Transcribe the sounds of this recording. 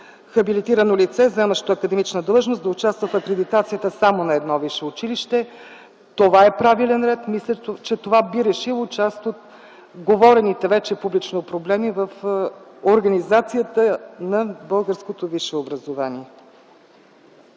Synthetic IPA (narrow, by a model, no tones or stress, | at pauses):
xɐbilit̪iɾənolit̪sɛzɛməʃt̪ʊɐkəd̪ɛmit͡ʃnəd̪lˠʒnosd̪ɐʊt͡ʃast̪vəfɐkɾɛd̪it̪at̪sijət̪əsamonɐɛd̪nɔviʃɛʊt͡ʃiliʃt̪ɛ | t̪ovaɛpɾavilɛnɾɛt̪mislʲət͡ʃɛt̪ovabiɾɛʃilˠot͡ʃast̪ot̪ | ɡovɔɾɛnit̪ɛvɛt͡ʃɛpublit͡ʃnopɾoblɛmivəfoɾɡɐnizat̪sijət̪ənɐbɤlˠɡəɾskot̪oviʃɛobɾəzovaniɛ